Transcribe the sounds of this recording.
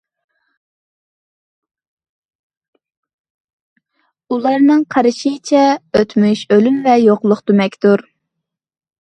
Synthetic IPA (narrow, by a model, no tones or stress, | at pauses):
ulˠɑɾnɨŋqʰɑɾɨʃit͡ʃʰɛøt̪myʃølynvɛjoqlˠʊχt̪ymɛkʲt̪uɾ